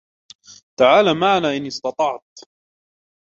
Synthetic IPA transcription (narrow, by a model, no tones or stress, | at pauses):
t̪aʕaːlaːmaʕanaːʔɪnɪst̪ɑt̪ˤɑʕt̪̚